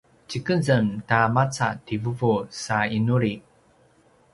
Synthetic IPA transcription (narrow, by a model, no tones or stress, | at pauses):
t͡ɕikəzəmtamat͡sativəvusainuɾi